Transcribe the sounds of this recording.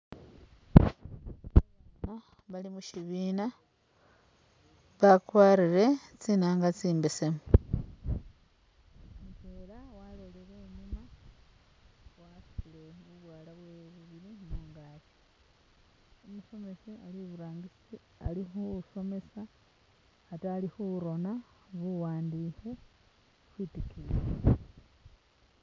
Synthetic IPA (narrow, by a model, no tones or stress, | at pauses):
mo | βalimuʃiβiːna | βakwaːɾiɾe̞t͡sinaːŋɡat͡siːmbesemu | peɾawaleleɾeːɲuma | wasi̥ile̞βuβwaːlaβweβuβiɾinuːŋɡaːli | omuso̞me̞sialiβuɾaːŋɡisi | a̰lixuso̞me̞saː | taːlixuɾo̞na | βuwaːndiːxe | xwiːtikile